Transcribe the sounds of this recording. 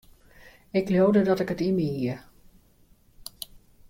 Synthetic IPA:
ɪklowdədɑtɪkətiməiə

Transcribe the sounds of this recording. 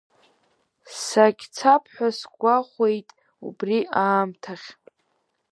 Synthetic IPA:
saɡʲt͡sʰapʰħʷᶣasɡʷaχʷe̞jtʼ | ṵbriaːmtʰaχʲ

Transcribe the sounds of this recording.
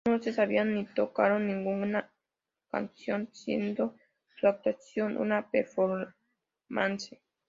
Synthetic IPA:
osesaβianːit̪okaɾonĩŋɡuna | ka̰nsjonsjḛnd̪o | suak̚t̪wasjonʔṵnapeɾfoɾ | manse

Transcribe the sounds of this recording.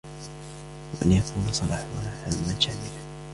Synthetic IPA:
waʔanjakʰuːnasˤɑlɑ̰ːħwalaːħalmanʃaːmɪla

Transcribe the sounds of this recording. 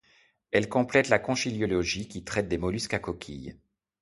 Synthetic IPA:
ɛlkɔ̃plɛt̪lakɔ̃ʃiljɔlɔʒikʲit̪χɛt̪̚d̪emɔlyskakɔkʲʰḭj

